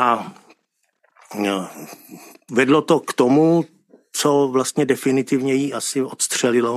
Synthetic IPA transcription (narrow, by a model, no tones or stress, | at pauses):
ʔa | vɛdlot̪okt̪omu | t͡sovlast̪ɲɛdɛfɪnɪt̪ɪvɲɛjiʔasɪʔot̪st̪r̝̥ɛlɪlo